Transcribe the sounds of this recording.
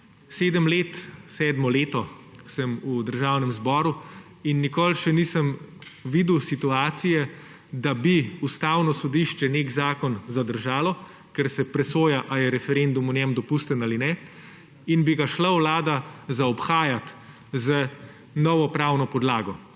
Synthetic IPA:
seːd̪əmleːt̪sɛːd̪mɔleːt̪ɔsəmud̪əɾʒaːwnɛmzbɔːɾu | inːikoːlʃɛniːsəmʋid̪uwsit̪uaːt̪sijɛ | d̪abiust̪aːwnɔsɔd̪iʃt͡ʃɛnekzaːkɔnzad̪əɾʒaːlɔ | kɛɾsɛpɾɛsoːjaʔajɛɾɛfɛɾend̪umɔnjɛmd̪ɔpuːst̪ənaːlinɛ | inbiɡaʃlawlaːd̪azaɔpxaːjat̪ | zə | nɔʋɔpɾaːwnɔpɔd̪laːɡɔ

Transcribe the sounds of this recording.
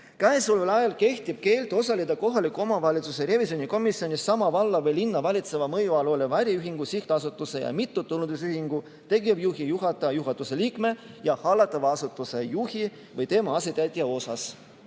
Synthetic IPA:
kæesulvelɑjɑlke̞ht̪ib̥̚ke̞ːlt̪ˑo̞sɑlid̪̥ɑko̞ɦɑlikːˑuo̞mɑvɑlʲit̪suse̞re̞visio̞niko̞misio̞nisːɑmɑvɑlːɑvɤjlinːɑvɑlʲit̪se̞vɑmɤjuɑlolevæɾʲjiyɦiŋɡ̥usiht̪eɑsut̪ːˑuse̞jɑ̰mit̪ːut̪ːulːund̪us̬yhiŋɡ̥u | t̪e̞ɡiɑvjuɦijuɦɑt̪ːˑɑjuɦɑt̪ːˑuse̞liːkme̞ | jɑhɑlːɑt̪ːˑɑvɑɑsut̪ːˑuse̞juhi | vɤjt̪e̞mɑɑsit̪æt̪ːijɑo̞sɑs

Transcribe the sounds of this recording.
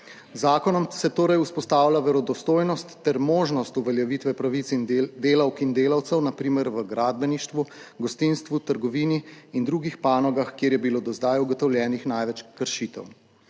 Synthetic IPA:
zaːkɔnɔmsɛt̪oːɾajuspɔst̪aːwlʲaʋɛɾɔd̪ɔst̪oːjnɔst̪ːɛɾmoːʒnɔst̪uʋɛljaʋit̪ʋɛpɾaʋit̪sd̪eːlawkind̪eːlawt̪sɛwnapɾiːmɛɾʋəɡɾaːd̪̚bɛniʃt̪ʋuɡɔst̪inst̪ʋut̪əɾɡɔʋiːniːnd̪ɾuːɡixpaːnɔɡaxkjeːɾjɛbiloːd̪ɔzd̪ajuɡɔt̪ɔwlʲjɛːnixnajʋɛt͡ʃkəɾʃiːt̪ɛ̰w

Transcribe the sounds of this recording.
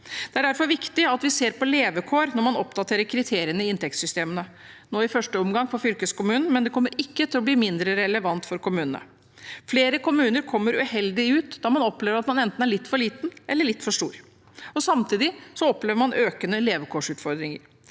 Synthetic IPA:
d̪̥ɛæɖæɾfɔɾʋɪkt̪ɪɑt̪ʋɪseːɾpɔleːʋəkʰoːɾnɔɾmɑnɔpd̪ɑt̪ʰeːɾəɾkʰɾɪt̪ʰeːɾɪənəɪɪnt̪ɛk̚t̪sʏst̪eːmənə | noːɪfœʂʈəɔmɡɑŋpɔfʏlkəskʊmʉːnn̩mɛnd̪ɛkʰɔmːəɾɪkːət̪ʰɪlɔbliːmɪnd̪ɾəɾɛləʋɑnt̪fɔɾkʊmʉːnənə̰ | fleːɾəkʰʊmʉːnəɾkʰɔmːəɾʉhɛld̪ɪʉːt̪d̪ɑːmɑnɔpleːʋəɾɑt̪mɑnɛnt̪n̩æɾɭɪt̪ːfɔɾɭiːt̪nʔɛlːəɭɪt̪ːfɔʂʈṵːɾ | ɔsɑmt̪ʰiːd̪ɪsɔɔpleːʋəɾmɑnʔøːkənəleːʋəkʰoːʂʉːt̪fɔɾd̪ɾɪŋə̰ɾ

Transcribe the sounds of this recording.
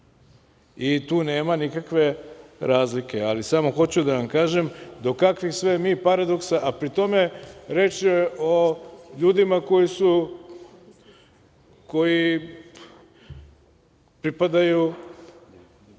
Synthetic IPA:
it̪uːne̞ːmanikakʋe̞ɾaːzlike̞alisamo̞xo̞t͡ɕud̪aʋamkaːʒemd̪o̞kakʋixsʋemiːpaɾad̪o̞ksaʔapɾit̪o̞me̞ɾet͡ʃieʔoʎuːd̪imako̞jisu | ko̞ji | pɾipad̪aju

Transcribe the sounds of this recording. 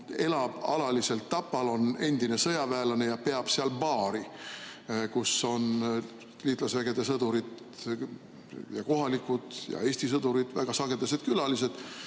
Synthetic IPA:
e̞lɑb̥ɑ̰lɑlise̞lt̪ːɑpːɑlo̞ne̞nd̪̥ine̞sɤjɑvæːlɑne̞jɑpe̞ɑb̥seɑlpɑːɾi | kusːo̞n | liːt̪ˑlɑsvæɡ̥e̞d̪̥e̞sɤd̪uɾid̪ | jɑko̞ɦɑlikːˑud̪̥jɑ̰e̞ːst̪isɤd̪̥uɾid̪̥væɡ̥ɑsɑɡe̞d̪ɑs̬e̞d̪̚kylɑlise̞d̪̥

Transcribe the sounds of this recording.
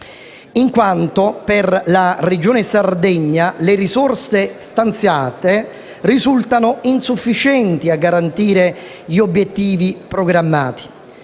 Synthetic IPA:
iŋkwant̪opɪrlared͡ʒoːnesard̪ɛɲːaleɾizɔrsest̪ant̪sjaːt̪e | rizult̪anoinsufːit͡ʃɛnt̪iaɡːaɾant̪iːɾe | ʎiobːjɛt̪ːiːvipɾoɡɾamːa̰ːt̪i̥

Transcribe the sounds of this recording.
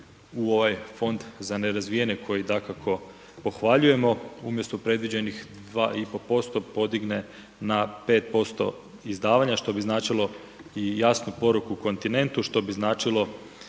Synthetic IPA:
uo̞ʋajfo̞nd̪zane̞ɾazʋijeɲekʰo̞jid̪akakʰo̞ | po̞xʋaʎuje̞mo̞umje̞st̪opɾe̞d̪ʋid͡ʑe̞nixd̪ʋaːipo̞po̞st̪o̞po̞d̪iɡne̞ | nape̞ːt̪̚po̞st̪o̞̰ | izd̪aːʋaɲaʃt̪o̞biznaːt͡ʃilo̞ | ijasnupo̞ɾukuːko̞nt̪ine̞nt̪uʃt̪o̞biznaːt͡ʃilˠo̞

